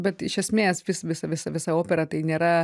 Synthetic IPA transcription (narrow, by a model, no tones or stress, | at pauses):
bʲɛt̪ɪʃʲɛsʲmʲeːsʋʲɪsʋʲɪsɐʋʲɪsɐʋʲɪsɐoːpʲɛɾɐt̪ɐɪnʲeːɾɐ